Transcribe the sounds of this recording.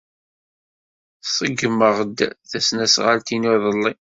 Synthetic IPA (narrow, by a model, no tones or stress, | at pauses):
sˤəɡːəməʁəd̪θæsnæsʁalt̪inʊðˤəlˤːi